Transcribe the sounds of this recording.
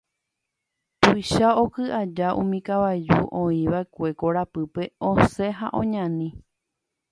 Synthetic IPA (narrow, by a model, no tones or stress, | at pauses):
p̪ujʃao̞kɨʔad͡ʒaʔṵ̃mĩkaʋajd͡ʒṵʔõĩʋaekʷe̞ko̞ɾapɨpe̞õse̞ɦa̰ʔõɲãnĩ